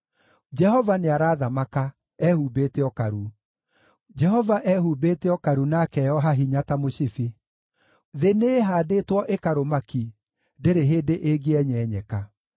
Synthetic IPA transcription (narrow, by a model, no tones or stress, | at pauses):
d͡ʒɛhɔvaneaɾaːðamaka | ɛhuːbeːteɔkaɾu | d͡ʒɛɦɔvaʔɛhubeːteɔkaɾunakɛjɔɦaɦiɲatamoɕifi | ðeneːɦaːdetwɔʔekaɾomaki | deɾeɦeːdeʔeɡeɛɲɛːɲɛka